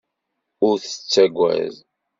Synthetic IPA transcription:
ʊɾθə̥t͡sːæɡʷːæ̰z

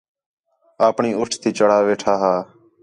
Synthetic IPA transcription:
aːpɳiːʊʈʰt̪ʰiːt͡ʃəɽ̤aːʋeːʈʰaːɦaː

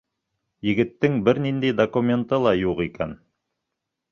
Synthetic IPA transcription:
jɘ̆ɡɘ̆t̪ːɘŋbɘɾnind̪æjd̪okumʲe̞nt̪ɤlˠɑjuqikæn

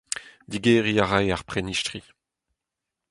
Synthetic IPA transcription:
d̪iɡeːʁiaʁajaʁpχeniʃtʁi

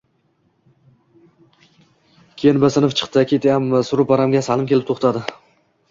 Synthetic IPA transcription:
kʲʰejɪnbasɪnɪft͡ʃʰɨ̥qt̪ɪkʲʰe̞t̪ʰajamːɪsʊɾʊpaɾamɡʲasalˠɪmkʲʰelɪp̚t̪ʰoχt̪ʰad̪ɪ

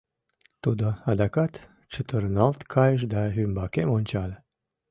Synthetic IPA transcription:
t̪od̪əad̪akat̪ | t͡ʃʰɨt̪əɾnalt̪kʰajəʃ̬d̪aɦymbakemonʲt͡ʃal

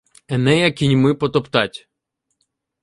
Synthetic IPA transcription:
ɛnɛjɐkʲinʲmɪpɔt̪ɔpt̪ɑtʲ

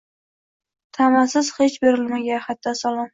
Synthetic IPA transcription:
t̪ʰamasɪz̥het͡ʃbeɾɪlmaɡʲahat̪ʰːasalˠɒm

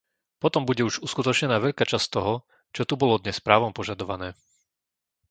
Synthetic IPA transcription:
pɔt̪ɔmbuɟɛuʒuskut̪ɔt͡ʃɲɛnaːʋɛʎkaːt͡ʃast̪ɔɦɔ | t͡ʃɔt̪ubɔlɔd̪ɲɛspɾaːʋɔmpɔʒad̪ɔʋanɛː

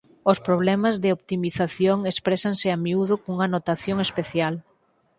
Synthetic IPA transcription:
ospɾoβ̞lɛmazðɪopt̪imiθaθjoŋespɾɛsaŋsɪamiuðʊkouŋanot̪aθjoŋespeθjal

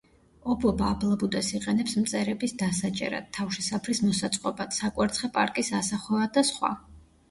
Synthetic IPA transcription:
ɔbɔbaːbʰlˠabud̪ɛsiqʼɛnɛpsmt̪sʼɛɾɛbisd̪asat͡ʃʼɛ̰ɾa̰d̪̥̚t̪ʰːafʃisapʰɾismɔsat̪sʼqʼɔbad̪̥sakʼwɛɾt̪sχɛpʼa̰ɾkʼisasaχwɛvad̪asχwa̰

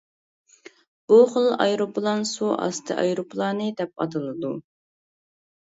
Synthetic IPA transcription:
b̥uχəlˠɑ̰jɾopʰlˠɑnsuʔɑ̰st̪ʰɨ̰ʔɑ̰jɾopʰlˠɑːnɨd̪ɛp̚ɑ̰t̪ɨlˠɨd̪u

